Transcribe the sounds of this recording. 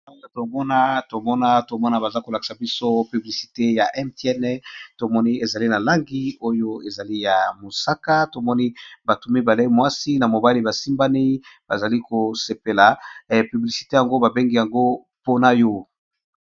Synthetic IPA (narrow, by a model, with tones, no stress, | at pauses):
a˦a˨to˨mɔ˦na˦to˨mɔ˦na˦to˨mɔ˦na˦ba˨za˦ko˨la˨ki̥˨sa˨bi˦so˦py˨bli˨si̥˨te˦ja˨ʔɛ˦mtɛ˦nɛ˦to˨mɔ˦ni˦e˨za˨li˦na˨la˦ŋɡi˦o˦jo˦e˨za˨li˦ja˨mo˨sa˦ka˦to˨mɔ˦ni˦ba˨tu˦mi˦ba˨le˦mwa˦si˦na˨mo˨ba˦li˦ba˨si˦mba˦ni˦b̥a˨za˨li˦ko˨se˨pe˨la˨py˨bli˨si̥˨te˦ja˨ŋɡo˦ba˨be˦ŋɡi˦ja˨ŋɡo˦ | po˦na˨jo˦